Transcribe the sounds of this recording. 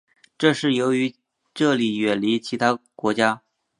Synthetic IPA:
ʈ͡ʂɤ˥˧ʂɻ̩˥˩jo˧˥ʊy˧˥ | ʈ͡ʂɤ˥˩li˨˩ɥɛ˨˩nli˧˥t͡ɕʰi˧˥t̪ʰa˥kwɔ˧˥t͡ɕja˥

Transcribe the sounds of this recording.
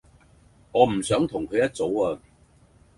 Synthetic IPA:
ŋɔː˨˧m̩˨˩sœː˨˥ŋt̪ʰʊ˨˩ŋkʰɵ˨˧ɥjɐ˥t̚t͡so˨˥waː˧

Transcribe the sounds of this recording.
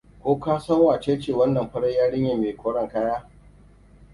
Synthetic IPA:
kʷoː˦kaː˦sɐ˦ŋwaː˨t͡ʃeː˦t͡ʃeː˨wɐ˦nːɐ˨mɸɐ˦ɽɐ˦jaː˦ɽɪ˦ɲje˨meː˨kʷoː˦ɽɐ˨ŋkaː˦jaː˦

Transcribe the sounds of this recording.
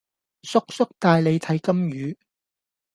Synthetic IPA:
sʊ˥k̚sʊ˥k̚t̪aː˧jle˨˧jt̪ʰɐ˨˥jkɐ˥mjyː˨˧

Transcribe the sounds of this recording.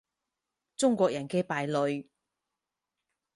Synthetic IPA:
t͡sʊ˥ŋkʷɔː˧k̚jɐ˨˩nkɛː˧paː˨jlɵ˨˧ɥ

